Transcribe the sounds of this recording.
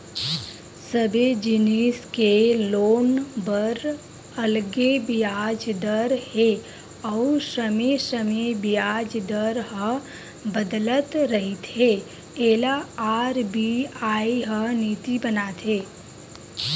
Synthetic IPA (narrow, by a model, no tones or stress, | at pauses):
səbed͡ʒɪneskeloːnbəɾ | ɐlɡebijaːd͡ʒd̪əɾhe | ɔuʃəmeʃəmebijaːd͡ʒd̪əɾɦə̃ | bəd̪lət̪ɾəɦit̪ɦe | eːlaaːɾbiaːiɦəniːt̪ibənaːt̪ʰeː